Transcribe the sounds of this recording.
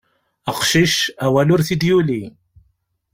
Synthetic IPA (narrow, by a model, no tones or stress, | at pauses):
əqʃiʃæwælʊɾθid̪juli